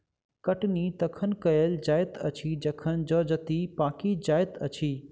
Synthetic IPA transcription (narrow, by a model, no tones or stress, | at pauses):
kɐʈnit̪ɐkʰənkɐjeld͡ʒaːjt̪ɐt͡ʃʰid͡ʒɐkʰənd͡ʒɔːd͡ʒət̪ipaːkid͡ʒaːɪt̪ɐt͡ʃʰiː